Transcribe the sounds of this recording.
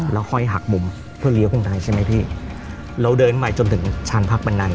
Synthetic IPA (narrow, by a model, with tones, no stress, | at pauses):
lɛː˦˥wxʰɔ˥˩jɦa˨˩k̚mu˧m | pʰɯ˥˩ɐli˦˥wkʰɯ˥˩ŋt̪aː˧jt͡ɕʰa˥˩jma˦˥jpʰiː˥˩ | ɾa˧wdɤː˧nmaː˨˧˩jt͡ɕo˧nt̪ʰɯ˨˩˦ŋt͡ɕʰaː˧npʰa˦˥k̚ba˧nːa˧n